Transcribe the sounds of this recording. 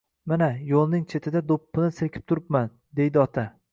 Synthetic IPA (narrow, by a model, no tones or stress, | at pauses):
manajolˠnɪŋt͡ʃʰe̞t̪ʰɪd̪ad̪opːɪnɪsekʲɪ̥p̚t̪ʰʊɾɪpman | d̪e̞jd̪ɪɒt̪ʰa